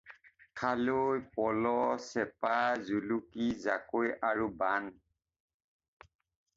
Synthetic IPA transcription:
kʰalojpɔlɔsɛpazulukizakojaɹuban

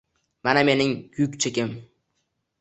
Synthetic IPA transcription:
maname̞nɪŋkʰʊkʲt͡ʃʰekʲɪm

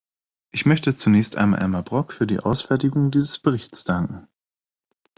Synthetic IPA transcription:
ʔɪçmœçtət͡sunɛːçstʔa̰ɪnma̰ʔɛ̰lmabʁɔkfyːɐdḭːʔa̰ʊsfɛɐtɪɡʊŋdiːzəsb̥əʁɪçtsd̥aŋkŋ̩

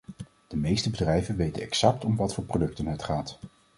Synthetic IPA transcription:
d̥əmejstəbədrɛjvənʋejtə̰nɛksɑk̚tɔmʋɑtfʊːɹprodɵk̚tənɦətχaːt

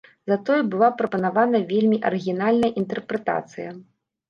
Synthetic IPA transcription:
zɐt̪ɔjubɨlˠapɾɐpɐnavanɐvʲelʲmʲiʔɐ̰ɾɨɣʲinalʲnɐjɐʔint̪ɛrpɾɛt̪a̰t̪sɨjɐ

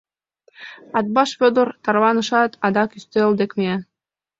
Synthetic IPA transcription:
ɑt̪̚bɑʃfʲod̪ɤ̆rt̪ɑɾβɑnɤ̆ʃɑt̪ʰɑd̪ɑkyst̪eld̪ekmee

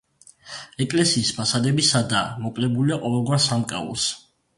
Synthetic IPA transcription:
ɛkʼlɛsiːsmasad̪ɛbisad̪amɔpʼlɛbuliaqʼɔvɛlˠɡwaɾsamkʼa̰ɔ̰s

